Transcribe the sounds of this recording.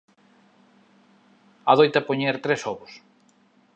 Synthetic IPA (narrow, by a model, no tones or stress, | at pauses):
aðojt̪ɐpoɲeɾt̪ɾesɔβʊs